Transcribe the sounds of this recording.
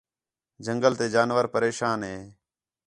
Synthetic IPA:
d͡ʒəŋɡəlt̪eːd͡ʒaːnʋəɾpəɾeːʃaːnɦeː

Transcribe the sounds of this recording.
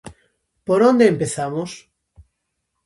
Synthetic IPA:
poɾond̪eːmpeθamos

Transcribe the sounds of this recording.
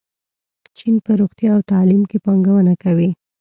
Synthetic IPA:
t͡ʃinpəɾoɣt̪jɑːwt̪ɑlimkepɑŋɡawənakawi

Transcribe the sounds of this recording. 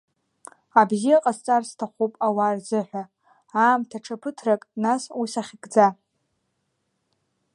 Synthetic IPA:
abzijaqʼast͡sʼarstʰaχʷupʼawarzɨħʷᶣa | aːmtʰaʈ͡ʂʰapʰɨtʰrakʼnaswisaχʲɪkʼd͡za

